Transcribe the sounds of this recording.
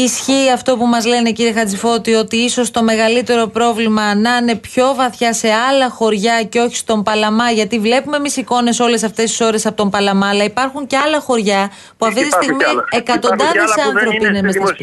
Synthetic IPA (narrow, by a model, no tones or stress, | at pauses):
isçiːɐft̪o̞pumɐzle̞ne̞ciɾiexɐd͡zifo̞t̪io̞t̪iiso̞st̪o̞me̞ɣɐlit̪e̞ɾo̞pɾo̞vlimɐnɐne̞pço̞vɐθçɐse̞ɐlɐxo̞ɾʝɐce̞o̞çi̥st̪o̞mpɐlɐmɐʝɐt̪ivle̞pumemisiko̞ne̞so̞le̞sɐft̪e̞st̪i̥so̞ɾe̞sɐpo̞t̪o̞mpɐlɐmɐlɐipɐɾxuɲceɐlɐxo̞ɾʝɐ | puɐft̪it̪isst̪iɣmiekɐt̪o̞nd̪ɐððesɐnθɾo̞piinemest̪ɐs